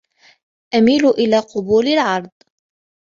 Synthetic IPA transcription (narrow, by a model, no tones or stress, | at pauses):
ʔamiːlʊʔɪlaːqʊbuːlalʕɑɾˤd̪ˤ